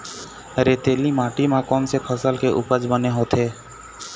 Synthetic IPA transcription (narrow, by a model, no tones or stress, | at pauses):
ɾeːt̪eːlimãːʈimãkɔːnsepʰəsəlkeʔʊpəd͡ʒbəneɦoːt̪ʰɦeː